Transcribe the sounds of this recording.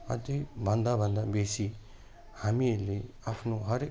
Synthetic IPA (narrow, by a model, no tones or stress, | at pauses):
ʌ̰d̪ibʱɐnd̪abʱənd̪abesi | hamile | apʰnoɦʌɾe